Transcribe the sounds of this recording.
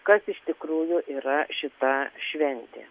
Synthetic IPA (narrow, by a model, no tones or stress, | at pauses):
kɐsɪʃt̪ʲɪkɾuːjʊʔiːɾɐʃʲɪt̪ɐʃʲʋʲɛnʲt̪ʲḛː